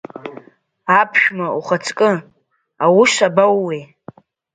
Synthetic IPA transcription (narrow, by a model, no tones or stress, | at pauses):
apʰʃᶣmauχat͡sʰʼkʼɨ | awuʃabawːe